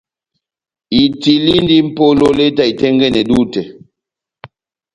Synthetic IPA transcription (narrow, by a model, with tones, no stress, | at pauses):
i˨ti˨li˦n˦di˦m̩˦po˦lo˦le˦ta˦i˨tɛ˦ŋɡɛ˦˨nɛ˨du˦˨tɛ˨